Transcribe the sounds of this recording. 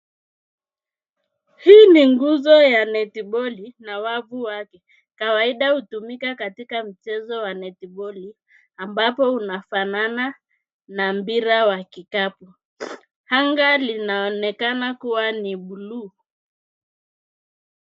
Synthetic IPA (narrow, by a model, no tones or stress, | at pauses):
hiːniŋɡuzɔjanɛtiɓɔlinawavuwakɛ | kawaiɗahutumikakatikam̩t͡ʃɛzɔwanɛtiɓɔli | ambapɔunafanana | nam̩biɾawakikapu | haŋɡalinaɔnɛkanakuwaniɓulu